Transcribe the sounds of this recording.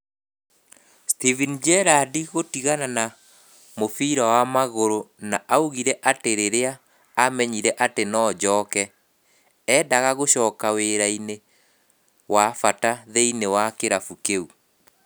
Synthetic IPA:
stivind͡ʒɛɾadiɣotiɣanana | mofiɾawamaɣoɾonaʔauɣiɾɛʔateɾeɾeaː | mɛɲiɾɛʔatenɔːd͡ʑɔːkɛ | ɛːdaɣaɣoɕɔːkaweɾaine | wafataðeinewakeɾafukeu

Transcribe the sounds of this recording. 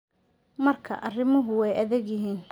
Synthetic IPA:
mɐrkʰɐ̰ʔɐrɪmʊɦʊɛjɐðɛɡjɪɦiːn

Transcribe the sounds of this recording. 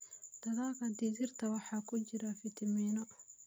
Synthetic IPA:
d̪̥ɐðaːɣɐd̪izɪrt̪ʰɐwɑħɑːkʰʊt͡ʃɪɾɐfɪt̪ʰɐmiːnɔ

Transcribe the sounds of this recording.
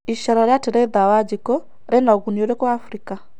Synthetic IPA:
iʃaɾaɾjatɛɾɛiðawad͡ʒikɔ | ɾɛnaɣuniɔɾɛkɔafɾika

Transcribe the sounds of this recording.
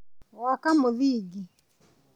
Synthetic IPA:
wakamuβiɡi

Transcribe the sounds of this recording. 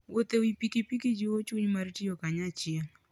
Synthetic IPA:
wʔot̪ewipikipikid͡ʒiwot͡ʃuɲmartɪokaɲat͡ʃɪɛŋ

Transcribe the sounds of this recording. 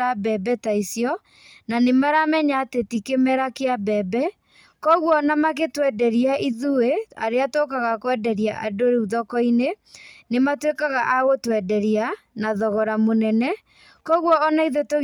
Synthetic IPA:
abɛbɛtaisjɔ | nanemaɾamɛɲaːtetikemɛɾakeabɛbɛ | kɔɣwɔnamaketwɛdɛɾiaʔiðuea̰ɾeatokaɣakwɛdɛɾjaʔadoɾeuðɔkɔine | nematwekaɣaʔaɣotwɛdɛɾia | naðɔɣɔɾamonɛnɛ | kɔɣwɔːnaiðeto

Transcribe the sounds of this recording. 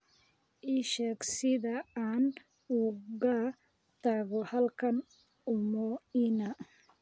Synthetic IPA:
ʔɪʃɛːɡsɪðɐaːn | uɣa | t̪ʰaɣɔhɐlkʰɐn | ʊmɔɪnɐ

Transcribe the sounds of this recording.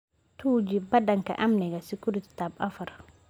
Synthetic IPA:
tuːd͡ʒibadaŋka̰ʔamnɛɡasikuɾiti̥tabafaɾ

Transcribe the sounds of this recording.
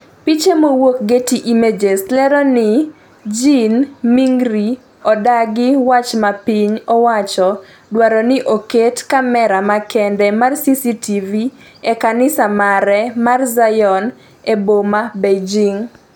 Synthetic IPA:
pit͡ʃemowok̚ɡetiʔimed͡ʒeslɛɾɔnɪ | d͡ʒinmiŋɡɾi | ɔdaɡɪwat͡ʃmapiɲɔwat͡ʃɔ | dwaɾɔnɪʔoketkamɛɾamakɛndɛmarsisitivi | ɛkanɪsamaɾɛmarzajɔn | ebomabed͡ʒiŋ

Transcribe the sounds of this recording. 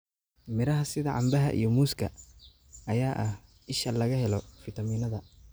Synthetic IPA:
mɪɾɐɦɐsɪðɐʕɑ̰mbɐɦɐ̰ʔḭjɞmuːskʰɐ̰ | ɐjaːʔɐh | ɪʃɐlɐɣɐɦɛlɔfɪt̪ʰɐmiːnɐðɐ

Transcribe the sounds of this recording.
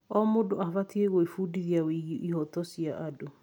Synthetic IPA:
ɔmodoaβatʰieɣoifudiðiawiɣiʔihɔtɔsiaʔado

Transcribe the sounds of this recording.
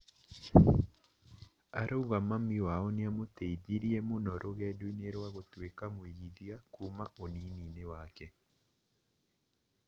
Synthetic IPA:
a̰ɾʔouɣamamiwaɔnjamoteidiɾiemonɔɾʔoɣɛdineɾwaɣotwekamoiɣiðjakumaonininewakɛ

